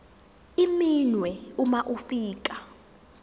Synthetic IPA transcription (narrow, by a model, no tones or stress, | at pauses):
iminwɛumaʔufiːk̬ʼa